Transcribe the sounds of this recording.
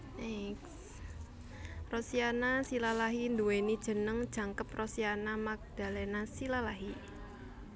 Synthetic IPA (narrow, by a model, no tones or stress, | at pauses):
ʔɛks | rosianasilalaɦind̪uwenid̥ʒ̥ə̤nəŋd̥ʒ̥ä̤ŋkəp̚rɔsianamak̚d̪̥a̤lɛnasilalaɦi